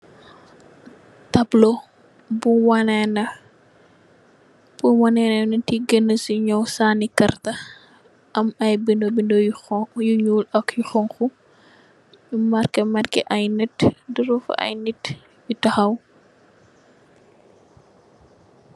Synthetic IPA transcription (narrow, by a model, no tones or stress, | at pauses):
tɐblɔ | buwanɛnɐ | b̥uwɐnɛnɐnɐtiɡənːəsiɲɔwsaːnikɐrtɐ | ʔɐmɐjbindɔbindɔjuɲuːlɐkjuxɔŋxu | jumɐɾkɛmɐrkɛ̰ʔɐjnɛtdiɾufɐ̰ʔɐ̰jnit | bitɐxɐw